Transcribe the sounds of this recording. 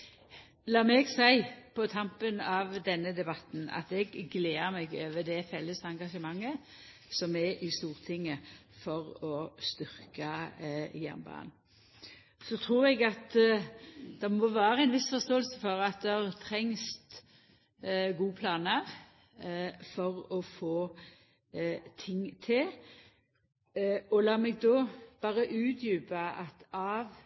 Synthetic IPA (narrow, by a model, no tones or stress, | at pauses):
lɑːmɛɡsæɪpʰɔt̪ʰɑmpənɑʋd̪ɛnːəd̪ɛbɑt̪n̩ɑ̰t̪ɛɡːleːəmɛɡøːʋəd̪ɛfɛlːəsɑŋɡɑʃəmɑŋːə | sɔmɛʔɪst̪uːʁt̪ʰɪŋːəfɔʁɔst̪ʏʁkɑjæ̰nbɑ̰ːn | sɔt̪ʰɾuːɾɛɡɑt̪ | d̪̥ɛmɔʋæːɾʁəæɪnʋɪsfɔʁst̪oːəlsəfɔʁɑt̪̚d̪ɛhɑʁt̪ʰɾɛŋst̪ | ɡuːpʰlɑːnəʁ | fɔʁɔfoː | t̪ʰɪŋːt̪ʰɪl | ɔlɑːmɛɡ̚d̪ɔːb̥ɑːʁəʔʉːt̪ʰjʉːbəɑt̪ɑʋ